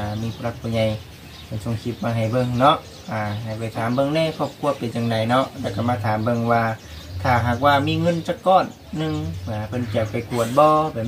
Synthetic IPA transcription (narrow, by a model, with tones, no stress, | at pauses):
a˧˨miː˧pʰːla˧k̪̚pʰɔː˧˩ɲa˧˩j | pa˨˧˩so˧˩˨ŋkʰi˧t̪̚maː˧˩ɦa˨˩jbɤ˧˨ŋnɔ˧ʔ | ʔaː˨˧˩ha˨˩pa˧˩jt̪ʰaː˨˦mbɤ˧˨ŋnɛː˧˥˨kʰɔː˧˩p̚kʰu˧˨ɐpa˨nt͡ɕaː˧˨ŋda˨˩jnɔ˧˥ʔlɛː˧˩wka˧˩maː˧˩t̪ʰaː˨˦mbɤ˧˨ŋwaː˧ | k̪ʰaː˧˩ɦa˨˧˩k̚waː˧miː˧˨ŋɤ˧˥˨nt͡ɕa˧˨kːɔː˧˩nː | ɯ˧˨ŋmʰː˧˨pʰɤ˧˥˨nki˧˩əkpʰɔ˧˩jku˧˩ət̪̚bɔː˧˦pa˨